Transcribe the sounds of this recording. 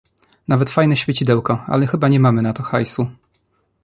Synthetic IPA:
navɛt̪fajnɛɕfʲjet͡ɕid̪ɛwkɔa̰lɛxɘbaɲɛmamɘnat̪ɔxajsu

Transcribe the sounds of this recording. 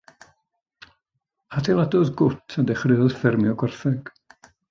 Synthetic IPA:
hatʰɛlˠadɔðɡʊtʰadɛχrɪɔðfɪrmjɔɡɔrθɛɡ̥

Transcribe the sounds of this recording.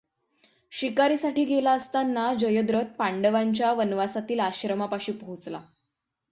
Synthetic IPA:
ɕikaɾiːsaʈiːɡelaəst̪anːad͡ʑəjəd̪ɾət̪̚paɳɖəʋaɲt͡ɕjaʋənʋasat̪iːlaɕɾəmapaɕiːpəɦut͡sla̰

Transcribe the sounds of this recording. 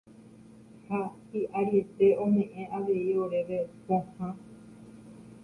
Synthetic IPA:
hahiʔaɾiet̪e̞õmẽ̞ʔẽʔaʋe̞ioɾe̞ʋepõhã

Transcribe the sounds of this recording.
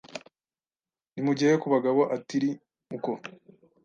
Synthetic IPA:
nimuɟiejekuβaɡaβoʔatiɾi | uko

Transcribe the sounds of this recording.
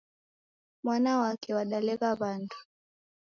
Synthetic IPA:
mwanawakʰɛwaɗalɛɣaβandu̥

